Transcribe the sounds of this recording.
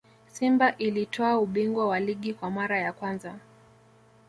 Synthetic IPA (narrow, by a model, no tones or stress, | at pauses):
simbaʔilitʰɔauɓiŋɡwawaliɠikwamaɾajakwanza